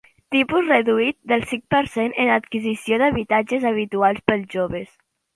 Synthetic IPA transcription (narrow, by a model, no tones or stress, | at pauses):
t̪ipuzrəðuit̪̚d̪əlˠsiŋpəɾsenʔənət̪kizisioðəβit̪ad͡ʒəzəβ̞it̪ualˠspəlˠzʒoβəs